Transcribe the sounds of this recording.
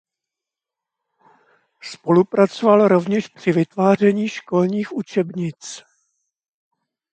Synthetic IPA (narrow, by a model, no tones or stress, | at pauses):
spo̞lupɾat͡sovalɾo̞vɲɛʃpr̝̥ɪvɪt̪vaːr̝ɛɲiːʃko̞lɲiːxʔut͡ʃɛbɲɪt͡s